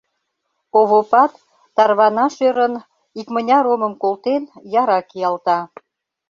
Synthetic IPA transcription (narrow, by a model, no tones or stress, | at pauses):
oβopɑt̪ː | ɑrβɑnɑʃøɾən | ikmənʲɑɾoməmkolt̪enjɑɾɑkijɑlt̪ɑ